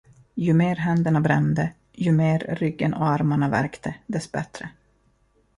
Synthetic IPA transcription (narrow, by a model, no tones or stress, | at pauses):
jɵmeːɾɦɛnd̪əɳabɾɛ̰nd̪ə | jɵmeːɾːʏɡːənɔaɾmaɳavæ̰ɾkt̪ʰəd̪ɛsbɛ̰t̪ɾə